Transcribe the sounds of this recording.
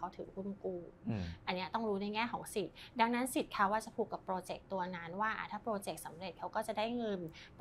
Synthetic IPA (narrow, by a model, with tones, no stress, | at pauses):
a˦˥wt̪ʰɯː˩˦kʰu˧˩nkuː˧ʔʔa˧nːi˦˥ɐt̪ɔ˥˩ŋɾuː˦˥na˧jŋɛː˥˩kʰɔː˩˦ŋsi˨˩t̪̚da˧ŋna˦˥nsi˨˩t̪̚kʰa˦˥waː˥˩t͡ɕa˨˩pʰuː˨˩kːa˨˩pːɾoː˧t͡ɕe˨˩k̚t̪u˧ɐna˦˥nwaː˥˩ʔa̰˨˩t̪ʰaː˥˩pɾoː˧t͡ɕe˨˩k̚sa˩˦mɾe˨˩t̪̚kʰa˦˥wkɔː˥˩t͡ɕa˨˩daː˥˩jŋɤ˧np